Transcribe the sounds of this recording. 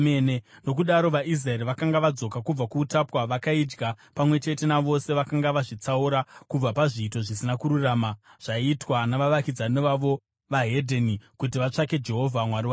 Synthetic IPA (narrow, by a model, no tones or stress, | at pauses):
neno̞k̬uɗaɾo̞ʋaʔis̬raeɾiʋakaŋɡaʋad͡zo̞kakub͡vakuːtapwaʋakaid͡ʒɡapamwe̞t͡ʃe̞te̞naʋo̞se̞ʋakaŋɡaʋaʐit͡sauɾakub͡vapaʐiːto̞ʐisinakuɾuraːmaʐ̥aitwanaʋaʋakid͡zaneʋaʋo̞ | ʋaɦe̞dʱenikutiʋat͡ʂake̞d͡ʒe̞ɦo̞vʱamwaɾiwa